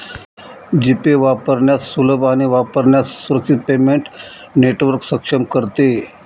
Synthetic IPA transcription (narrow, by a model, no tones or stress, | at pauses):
d͡ʑipeʋapəɾɳjasuləbaɽ̃iʋapəɾɳjasuɾək̚t͡ʃʰit̪̚pemeɳʈ | neʈʋəɾksəkʂəmkəɾt̪e